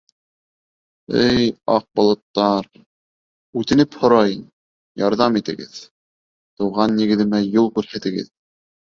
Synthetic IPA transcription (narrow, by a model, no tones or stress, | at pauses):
ɘjɑq̚bŏlˠɤ̆t̪ːɑɾ | ʉt̪ɘ̆nɘphŏɾɑj | jɑɾðɑmit̪ɘ̆ɡɘ̰ð | t̪ɤ̆wʁɑnːĭɡɘ̆ðɘ̆mæjulˠkʉɾhæt̪ɘ̆ɡɘ̰ð